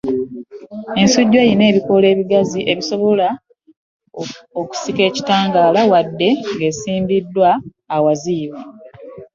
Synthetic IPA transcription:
e̞nsuɟːe̞ːjine̞ːβiko̞le̞ːβiɡaziʔe̞βiso̞βo̞la | oku̥sike̞ːci̥taːŋɡaːlawadːe̞ŋɡe̞siːmbidːwaː | waziːβa

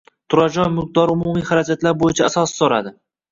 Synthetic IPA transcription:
t̪ʰʊɾad͡ʒɒnmɪq̚d̪ɒɾʊmumijχaɾad͡ʒat̪laɾbojɪt͡ʃʰaːsɒsɪ̥sɒɾa̰d̪ɪ

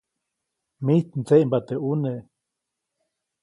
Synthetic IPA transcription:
miht̪nt͡seʔmbat̪eʔuneʔ

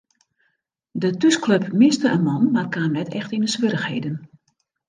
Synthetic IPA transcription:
dətyskløpmɪstəʔənmɔnmarkaːmnɛtʰɛxtinəsʋøɾəxheːdən

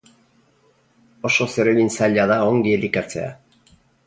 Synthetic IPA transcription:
o̞ʃoseɾeβinsaʎaðaoŋɡielikat͡sḛa̰

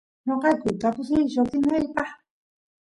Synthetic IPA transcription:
ɲoqɑjkʊt̪apʊsɪjʃot̪ɪnajpɑχ

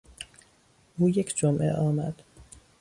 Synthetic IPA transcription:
ʔuːjecʰd͡ʒomʔḛʔɒːmæd̪̥

